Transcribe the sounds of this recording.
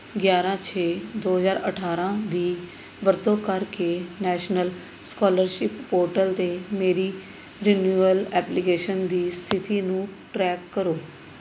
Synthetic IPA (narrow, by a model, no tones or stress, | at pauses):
ɡjaːɾãːt͡ʃʰeːd̪oːɦəzaːɾəʈʰaːɾãːd̪iː | ʋəɾd̪õːkəɾkeːnɛːʃnəl | skɔːləɾʃɪpːoːɾʈəlt̪eːmeːɾiː | ɾɪnjuːəlɛːplɪkeːʃənd̪iːst̪ʰɪt̪iːnũːʈɾɛːkːəɾoː